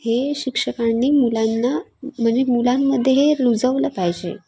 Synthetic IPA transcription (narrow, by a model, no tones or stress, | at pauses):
heɕikʂəkanːiːmulanːam̤əɳd͡ʑemulamːəd̪ʱːjeɦeɾud͡zəʋləpajd͡ʑḛ